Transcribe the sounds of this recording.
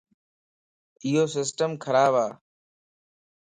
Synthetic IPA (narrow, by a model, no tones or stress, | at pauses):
ɪɦoːsɪs̬ʈəmkʰəɾaːbaː